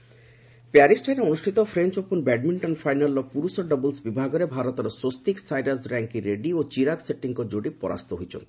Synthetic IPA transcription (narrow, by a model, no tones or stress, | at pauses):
peɛaɾisʈʰajneonuʃʈʰit̪ofɾent͡ʃoponbɛɖmiɳʈɔnfajnalːɔpuɾusoɖɔbolsbibʱaɡɔɾebʱaɾot̪ɔɾɔsost̪iksajɖaɾsɾɛŋkiɾeɖiot͡ɕiɾakseʈːiŋkod͡ʒoɖipɔ̰ɾa̰st̪oɦojt͡ɕʰo̰nt̪